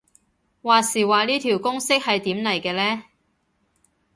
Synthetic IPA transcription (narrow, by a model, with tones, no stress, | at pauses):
waː˨˧siː˨˩waː˨˧liː˥t̪ʰiː˨˩wkʊ˥ŋsɪ˥k̚hɐ˨jt̪iː˨˥mnɐ˨˩jkɛː˧lɛː˥